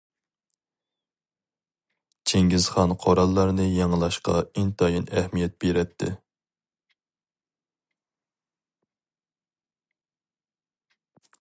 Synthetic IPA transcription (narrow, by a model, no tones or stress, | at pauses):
t͡ʃʰeŋɡʲizχɑnqʰoɾɑlˠːɑɾnɨjɑŋlˠɑʃqɑ̰int̪ʰɑjinɛhmijɛt̪̚b̥eɾɛt̪ʰːɪ̰